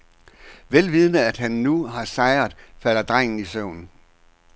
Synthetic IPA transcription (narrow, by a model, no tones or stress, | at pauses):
ʋelʋið̞ˠnəæd̥ɦænːuɦɑ̈sɑ̈ɪɐðˠfæɾ̥ɐd̥ʁaŋ̰n̩isɔʊ̰n̩